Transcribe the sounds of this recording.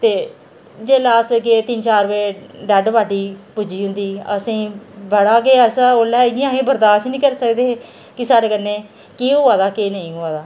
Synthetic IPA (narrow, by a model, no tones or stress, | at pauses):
t̪eː | d͡ʒeːlaːsket̪ɪnt͡ʃaːɾʋeːɖɛːɖʋaːɖiːpʊd͡ʒiːɦʊnd̪iːə̰sĩːbəɽaːkeːəsoːlɛːɪɡɪjãːkeːbəɾd̪aːʃnĩːkəɾsəkd̪eː | kɪsaːɽeːkənːeː | kiːʊːaːd̪aːkeːnəĩːɦoːaːd̪aː